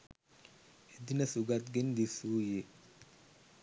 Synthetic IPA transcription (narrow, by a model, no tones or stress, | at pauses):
ed̪inasuɡat̪ɡind̪isuje